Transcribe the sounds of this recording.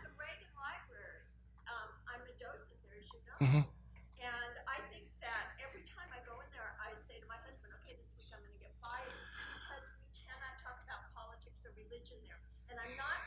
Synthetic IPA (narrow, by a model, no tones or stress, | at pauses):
əɹeɪɾɪ̃ŋlaɪbɹɛɹi | ʔʌ̃mʔãɪ̃mɨdoʊsɨt̪̚ðə˞ʃɨd̚ⁿno | ɨ̃naɪθɪ̃ŋk̚ðɨɾɛvɹitʰãɪ̃maɪɡoʊɪ̃nðə˞ʔaɪseɪɾɨmaɪhʌzb̃ndoʊkʰeɪðɪswikãɪ̃mɡʌnɨɡɛt̚b̥aɪɪ̃bikʰʌzwikʰænɑtʰɔkəbaʊt̚pʰɑlˠətʰɪksəɹɨlɪd͡ʒɨ̃nðə˞ | ɨ̃nãɪ̃mnət̚